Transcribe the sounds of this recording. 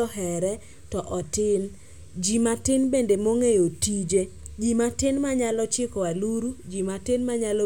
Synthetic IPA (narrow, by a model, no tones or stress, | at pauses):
ɔɦɛɾɛ | tɔʔɔtɪn | d͡ʒimatɪnbendemoŋejotid͡ʒed͡ʒimatɪnmaɲalɔt͡ʃɪkɔwaluɾud͡ʒimatɪnmaɲalɔ